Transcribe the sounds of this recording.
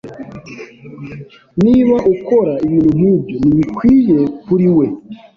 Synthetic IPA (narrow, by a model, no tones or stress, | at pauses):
niβaʔukoɾaiβiːn̤umubjoniβikwiːjekuɾiwe